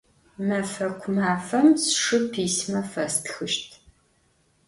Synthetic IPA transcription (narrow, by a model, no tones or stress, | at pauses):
mɐfɐkʷʰʊmaːfɐmsʂɨpʰiːsmɐfɐstʰxɨʃtʰ